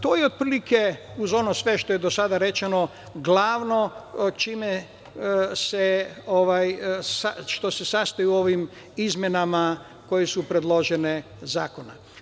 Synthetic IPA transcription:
t̪oːjeod̪̚pɾiːlikeuzo̞nosʋe̞ʃt̪o̞jed̪osad̪aɾe̞t͡ʃeno | ɡlaːʋnot͡ʃime | seoʋajsaʃt̪o̞se̞sast̪ajuo̞ʋim | izmjenama | ko̞jesupɾe̞d̪lo̞ʒene | za̰ːko̞na

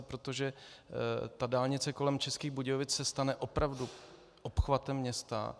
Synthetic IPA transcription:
pɾot̪o̞ʒɛ | t̪adaːlɲɪt͡sɛko̞lɛmt͡ʃɛskiːɣbuɟovɪt͡ssɛst̪anɛʔo̞pɾavdu | ʔopxvat̪ɛmːɲɛst̪a̰

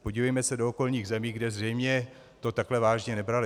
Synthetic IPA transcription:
poɟivɛjmɛsɛdooko̞lɲiːɣzɛmiːɡdɛzr̝ɛjmɲɛ | t̪o̞t̪aklɛvaːʒɲɛnɛbɾalɪ

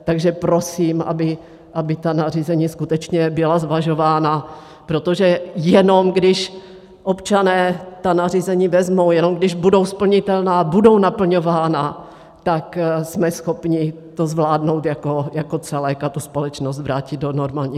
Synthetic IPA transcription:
t̪aɡʒɛpɾo̞siːmʔa̰bɪ | ʔabɪt̪anariːzɛɲiːskut̪ɛt͡ʃɲɛbɪlazvaʒo̞vaːna | pɾot̪oʒɛjɛno̞mɡdɪʃ | ʔopt͡ʃanɛːt̪anariːzɛɲiːvɛzmo̞wjɛno̞mɡdɪʒbudo̞wspl̩ɲɪt̪ɛlnaːbudo̞wnapl̩ɲo̞vaːna | t̪aksmɛsxo̞pɲɪ | t̪ozvlaːdno̞wt̪jako̞jakot̪t͡sɛlɛkat̪uspolɛt͡ʃnos̬t̪vɾaːcɪd̪̚donoɾmaːlɲiː

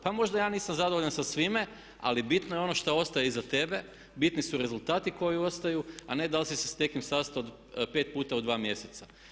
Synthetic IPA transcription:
pamo̞ʒd̪ajaːniːsamzad̪ooʎansasʋime | a̰libit̪nojeo̞no̞ʃt̪ao̞st̪ajeizat̪e̞be̞ | bit̪nisuɾe̞zulˠt̪aːt̪iko̞jio̞st̪ajuane̞d̪alsise̥sne̞kimsast̪aod̪ | pet̪̚puːt̪aod̪ʋaːmje̞set̪sa

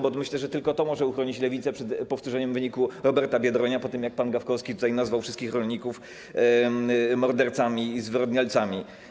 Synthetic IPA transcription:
bɔmɘɕlɛʐɛt̪ɘlkɔt̪ɔmɔʐɛuxɾɔɲit͡ɕlɛvʲit̪sɛpʂɛt̪pɔft̪uʐɛɲɛmvɘɲikuɾɔbɛɾt̪abʲjɛd̪ɾɔɲapɔt̪ɘmjak̚panɡafkɔskʲit̪ut̪ajnazvawfʂɘst̪kʲixɾɔlʲɲikuf | mɔɾd̪ɛɾt̪samʲizvɘɾɔd̪ɲalt̪samʲi

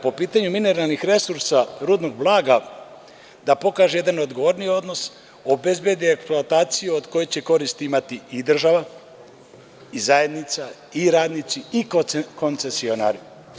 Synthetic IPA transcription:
po̞piːt̪aɲumine̞ɾalˠnixɾe̞suɾsaɾuːd̪no̞ɡblˠaːɡa | d̪apo̞kaːʒeje̞d̪anod̪ɡo̞ʋo̞ɾnio̞d̪no̞s | o̞be̞zbje̞d̪ieksploat̪aːt̪sijuod̪ko̞jet͡ɕe̞ko̞ɾist̪iimat̪iid̪r̩ʒaʋa | izaje̞d̪nit̪sa | iɾaːd̪nit̪siikoko̞nse̞sio̞na̰ːɾi

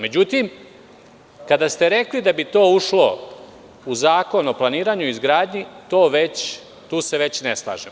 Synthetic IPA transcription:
me̞d͡ʑut̪im | kad̪ast̪eɾe̞klid̪abit̪o̞ːuʃlo̞ | uzaːko̞noplˠaniːɾaːɲuizɡɾaːd̪ɲit̪o̞ːʋe̞t͡ɕ | t̪uːseʋe̞t͡ɕneslˠa̰ːʒem

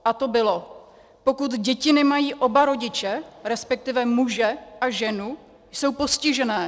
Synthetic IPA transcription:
ʔat̪o̞bɪlo | po̞kut̪ɟɛcɪnɪmajiːʔo̞baɾo̞ɟɪt͡ʃɛɾɛspɛk̚t̪ɪvɛmuʒɛʔaʒɛnu | jso̞wpo̞scɪʒɛnɛː

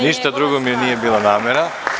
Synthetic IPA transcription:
niʃt̪ad̪ɾuɡomiɛniɛbilˠanamɛɾa

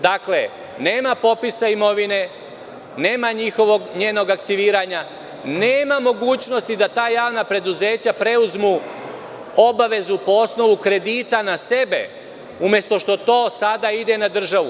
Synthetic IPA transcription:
d̪akle̞̰ | ne̞ːmapo̞pisaimo̞ʋine̞ | ne̞ːmaɲixo̞ʋo̞ɡɲe̞ːno̞ɡak̚t̪iʋiːɾaɲa | neːmamo̞ɡuːt͡ɕno̞st̪id̪at̪aːjaːʋnapɾe̞d̪uze̞ːt͡ɕapɾe̞uzmu | o̞baʋe̞zupo̞o̞sno̞ʋukɾe̞d̪iːt̪anase̞be̞̰ | umje̞st̪o̞ʃt̪ot̪o̞ːsad̪aid̪e̞nad̪r̩ʒaʋu

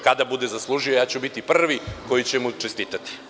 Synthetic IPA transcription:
kad̪abud̪e̞zaslˠuʒijojaːt͡ɕubit̪ipr̩ʋiko̞jit͡ɕemut͡ʃest̪iːt̪at̪i̥

